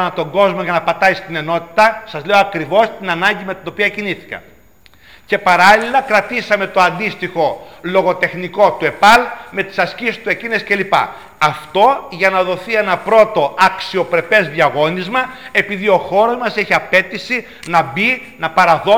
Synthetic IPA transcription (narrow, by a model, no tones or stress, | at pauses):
nɐt̪o̞ŋɡo̞zmo̞ʝɐnɐpɐt̪ɐist̪ine̞no̞t̪i̥t̪ɐsɐzleo̞ɐkɾivo̞st̪inɐnɐɲɟime̞t̪ino̞piɐciniθi̥kɐ̰ | ce̞pɐɾɐlilɐkɾɐt̪isɐme̞t̪oɐnd̪ist̪ixo̞lo̞ɣo̞t̪e̞xniko̞t̪ue̞pɐlme̞t̪i̥sɐscisist̪ue̞cinesce̞lipɐ̰ | ɐft̪o̞ʝɐnɐðo̞θienɐpɾo̞t̪o̞ɐksio̞pɾe̞pe̞zðiɐɣo̞nizmɐe̞piðio̞xo̞ɾo̞zmɐse̞çiɐpe̞t̪isi | nɐbi | nɐpɐɾɐðo